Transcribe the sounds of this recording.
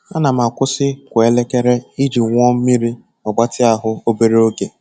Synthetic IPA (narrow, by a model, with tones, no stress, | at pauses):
a˦na˨m̩˨a˨kʷʊ˦sɪ˦kʷa˨e˦le˦ke˦ɾe˦i˦d͡ʒi˨ŋʷ˦ɔ˦m̩˦mi˦ɾi˦ | ɔ˨ɡ͡ba˦tɪ˦a˨ɦʊ˦o˦be˦ɾe˦o˦ɡe˨